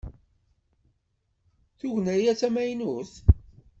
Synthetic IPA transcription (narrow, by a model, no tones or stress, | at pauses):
θuʝnæjæt͡sːæmæjnuθ